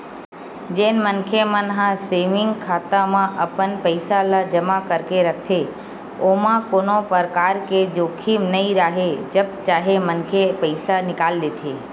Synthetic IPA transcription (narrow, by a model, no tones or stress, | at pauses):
d͡ʒeːnmənkʰemənɦãseːʋɪ̃ŋɡkʰaːt̪amãʔəpənpəɪsalad͡ʒəmakəɾkeɾək̚ʰt̪ʰe | oːmãkoːnopəɾkaːɾked͡ʒoːkʰiːmnəĩɾaːɦed͡ʒəbt͡ʃaːɦemənkʰepəɪsanɪkaːld̪eːt̪ʰeː